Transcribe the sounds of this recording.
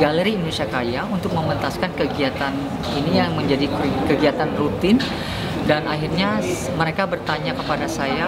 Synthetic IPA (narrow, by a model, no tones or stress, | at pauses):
ɡaləɾiindonisiakajaunt̪ʊk̚məmənt̪askankəɡiat̪an | inijaŋməɲd͡ʒadikəɡiat̪anrut̪ɪn | danaɦirɲa | məɾekabərt̪aɲakəpadasaja